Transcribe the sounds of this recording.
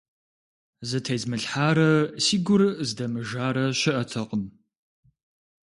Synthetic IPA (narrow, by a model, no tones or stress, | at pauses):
zɨtʰɐjzmɨɬħaːɾɐsiːɡʷʊrzdɐmɨʒaːɾɐɕɪʔɐtʰɐqəm